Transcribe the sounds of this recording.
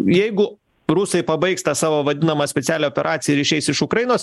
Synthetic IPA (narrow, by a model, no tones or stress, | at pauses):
jɛɪɡʊ | ɾʊsɐɪpɐbɐɪkst̪ɑːsɑːʋoːʋɐd̪ʲɪnɐmɐːsʲpʲɛt̪ʲæːlʲɛoːpʲɛɾʔɑːt̪sʲɪjɛɾʲiːʃʲɛɪsɪʃʊkɾɐjɪnoːs